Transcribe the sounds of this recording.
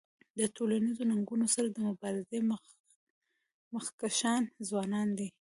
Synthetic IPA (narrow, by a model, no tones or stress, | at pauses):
d̪ətʰolanizonaŋɡunosaɾad̪əmʊbɑɾɪze | məxkaʃɑnzwɑnɑnd̪i